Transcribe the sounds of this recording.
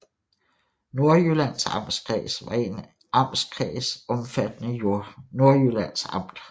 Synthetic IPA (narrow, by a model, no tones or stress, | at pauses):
no̝ɐjølænsɑ̈m̰sɡ̥ʰʁɛ̰ːsʋɑ̈e̝n | ɑ̈m̰skʰʁɛ̰ːsɒ̽mfæd̥ənəjono̝ɐjølæn̰sɑ̈m̰d̥